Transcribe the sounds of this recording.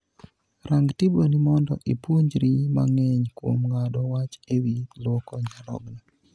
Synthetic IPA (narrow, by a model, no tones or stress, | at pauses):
ɾaŋɡtibonimɔndɔʔipuɲd͡ʒɾima̰ŋɛɲkwo̰mŋadɔwat͡ʃewilwɔkɔɲaɾɔ̰ɡna